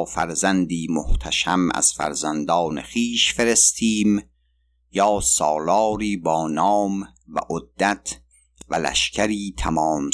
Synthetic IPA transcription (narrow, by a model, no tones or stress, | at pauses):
fæɾzænd̪iːmo̰ht̪ʰæʃæmæ̰z̥fæ̰ɾzænd̪ɒːnḛχiːʃfe̞ɾe̞st̪ʰiːm | jɒːsɒːlɒːɾiːbɒːnɒːm | væ̰ʔod̪ːæt̪ʰ | vælæ̰ʃcʰæɾiːt̪ʰæmɒːm